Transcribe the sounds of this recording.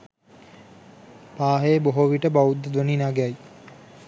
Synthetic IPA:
paːɦeboɦoʋiʈəbaud̪ːəd̪ʋoninaɡai

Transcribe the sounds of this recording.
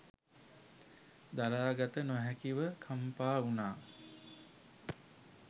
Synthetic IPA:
d̪aɾaːɡat̪ənuɦækiʋəkʰampaːunaː

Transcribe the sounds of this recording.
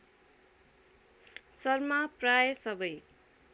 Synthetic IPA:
sʌrmaprajsʌbʌj

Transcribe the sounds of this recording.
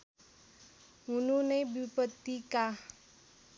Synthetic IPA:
ɦununəjbipət̪ːika

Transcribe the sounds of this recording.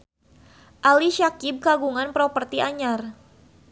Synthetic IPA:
ʔaliʃakib̚kaɡuŋanpɾɔpərt̪iaɲar

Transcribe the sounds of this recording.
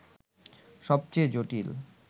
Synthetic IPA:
ʃɔb̚t͡ɕejd͡ʑoʈil

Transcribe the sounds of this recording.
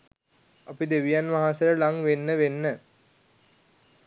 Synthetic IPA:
apid̪eʋijanʋaɦasəɾəlaŋʋenːəʋenːə

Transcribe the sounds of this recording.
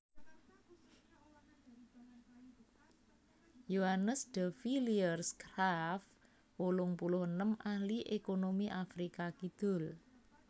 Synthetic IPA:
joɦanəsd̪̥əfiliərskɾaf | wolʊŋpulʊhənəmahliʔekonomiʔafɾikakid̪̥ʊ̤l

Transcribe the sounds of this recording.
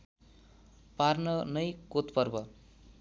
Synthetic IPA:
parnʌnʌjkot̪pʌrbʌ

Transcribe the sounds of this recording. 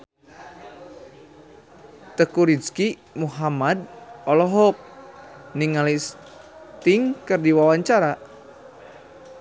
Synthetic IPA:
t̪əkuɾiski | muɦamad̪̚ɔlɔɦɔk̚niŋalis | t̪iŋkɨrdiwawaɲt͡ʃaɾa

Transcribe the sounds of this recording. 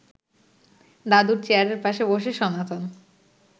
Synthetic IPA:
d̪ad̪uɾt͡ɕeaɾeɾpaʃeboʃeʃɔnat̪ʰon

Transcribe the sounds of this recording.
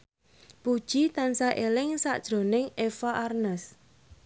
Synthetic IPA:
pud̥ʒ̥it̪ansaʔelɪŋsa̰ʔd̥ʒ̥ɾo̤nɪŋefaʔarnəs

